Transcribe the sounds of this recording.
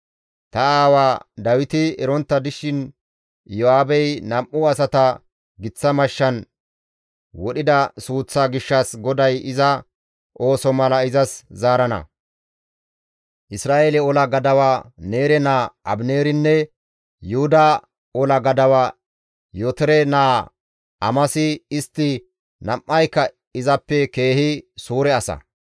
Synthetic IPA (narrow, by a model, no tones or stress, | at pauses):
t̪ɐaːwaːd̪ɐwɪt̪ɪɛɾɔnt̪ːɐd̪ɪʃɪn | jɔaːbɛjnɐmʔʊɐsɐt̪ɐ | ɡɪt͡sːɐmɐʃːɐn | wɔɗɪd̪ɐsuːt͡sːaːɡɪʃːɐsɡɔd̪ɐjɪzɐ | ʔo̞ːsɔmɐlɐɪzɐszaːɾɐnɐ̰ | ʔɪsɾaːjeːlɛɔlɐɡɐd̪ɐwaːne̞ːɾɛnaːɐ̰bneːɾɪnːɛ | jʊhʊd̪a | ɔlɐɡɐd̪ɐwaː | jɔt̪ɛɾɛnaː | ɐmɐsɪɪst̪ːɪ | nɐmʔːɐjkːɐ | ɪzɐpːɛke̞ːhɪsuːɾɛɐsɐ̰